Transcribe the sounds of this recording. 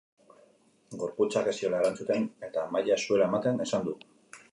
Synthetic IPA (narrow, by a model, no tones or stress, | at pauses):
ɡo̞ɾput͡sare̞sio̞laeɾant͡sut̪e̞ne̞t̪amajasue̞lae̞mat̪e̞ne̞sand̪u